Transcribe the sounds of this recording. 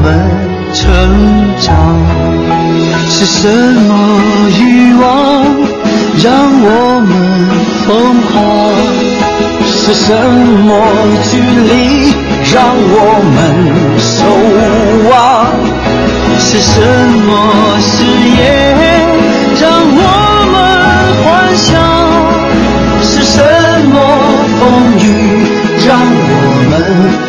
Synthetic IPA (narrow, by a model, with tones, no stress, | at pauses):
ə˩ | ʈ͡ʂʰə˧˦nʈ͡ʂɑ˨˩ŋ | ʂɻ̩˧˩ʂə˧˥nmɔ˧y˥wɑ˦ | ɻɑ˥˧ŋwɔ˨˩˨mə˦n | fɤ˥ŋkʰɑ˧˩ | ʂɻ̩˧˩ʂə˧˦˥nmɔ˧˥t͡ɕy˥˩li˧˥ | ɻɑ˧ŋwɔ˨˩mə˧˦n | so˧ʊ | wa˧˦ | ʂɻ̩˧ʂə˦˥nmɔ˧ | ɕ̩˧jɛ˧ | ɻɑ˥ŋwɔ˨˩ | mə˧˦n | xwa˦˥nɕjɑ˥˦ | ʂɻ̩˧˥ʂə˧˦ | mɔ˧˦ | fo˦ŋy˧ | ɻɑ˥ŋwɔ˨˩mə˨˦n